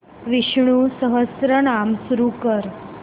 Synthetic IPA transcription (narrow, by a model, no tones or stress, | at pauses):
ʋiʃɳũsəɦəsɾəɳamsɾukəɾ